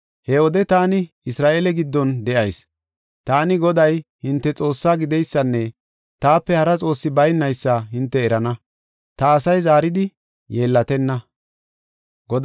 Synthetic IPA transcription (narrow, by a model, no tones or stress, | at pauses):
hɛɔd̪ɛt̪aːnɪ | ɪsɾaːʔeːlɛɡɪd̪ːɔnd̪ɛʔɐjs | t̪aːnɪɡɔd̪ɐjhɪnt̪ːɛt͡sʼo̞ːsːaːɡɪd̪ɛjsːɐnːɛ | t̪aːpːɛhɐɾɐt͡sʼo̞ːsːɪbɐjnːɐjsːɐɦɪnt̪ːɛːɾɐnɐ | t̪ɐːsɐjzaːɾɪd̪ɪ | je̞ːlːɐt̪ɛnːɐ | ɡɔd̪